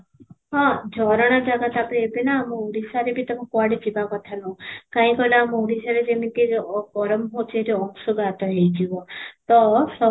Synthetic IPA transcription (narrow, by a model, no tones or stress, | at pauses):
ɦɔ̃d͡ʒʱɔɾɔɽ̃ɔd͡ʒaɡat̪apɾeebinaːmɔuɾisaɾebʱit̪ɔmɔkwaɽid͡ʒʱibakɔt̪ʰanɔũkãĩkɔilaːmɔuɾisaɾed͡ʒemik̪ikɔɾɔmɦot͡ʃʰeɾeɔŋsuɡat̪ɔɦejd͡ʒibɔt̪ɔsɔ